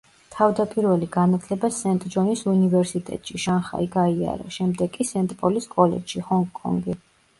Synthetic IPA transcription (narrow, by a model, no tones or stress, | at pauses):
t̪ʰavd̪apʼiɾvɛliɡanat̪ʰlɛbasɛnt̪ʼd͡ʒɔnisunivɛɾsit̪ʼɛ̰t̪ʼʃiʃanχa̰iɡaia̰ɾa̰ʃɛmd̪ɛɡkʼisɛnt̪ʼpʼɔliskʼɔlɛ̰dʃihɔŋɡkʼɔ̰ŋɡi